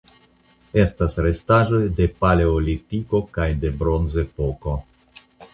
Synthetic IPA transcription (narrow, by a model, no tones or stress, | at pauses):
e̞stasɾe̞staʒo̞jde̞pale̞olitiko̞kajde̞bɾo̞nze̞po̞ko̞